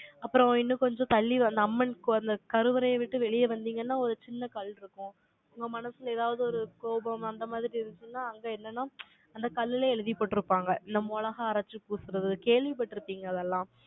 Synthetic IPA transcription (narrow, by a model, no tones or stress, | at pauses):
ɐpːɯɾɔ̃ɪnːɯ̃kɔɲd͡ʒɔ̃t̪ɐɭːiɐnd̪ɐɐmːɐnkɐnd̪ɐkɐɾɯʋɐɾɐjɐʋɪʈːɯʋɛɭɪjɐʋɐnd̪iːŋɡɐnːaːɔɾɯt͡ʃɪnːɐkɐɭːɪɾɯkːʊ̃ | ʊŋɡɐmɐnɐsɯleːðaːʋɐðɯɔɾɯkoːbɐmɐnd̪ɐːmaːðɪɾiɪɾɯnd̪ɯt͡ʃːɯnːaːɐŋɡeːɛnːɐnːaː | ɐnd̪ɐkɐɭːɪleɛɻɯðɪpoːʈːɪɾɯpːaːŋɡɐɪnd̪ɐmɔɭɐɣɐːɾɐt͡ʃːɯpuːsɯɾɐðɯkeːɭʋipɐʈːɪɾɯpːiːŋɡɐːðɛlːãː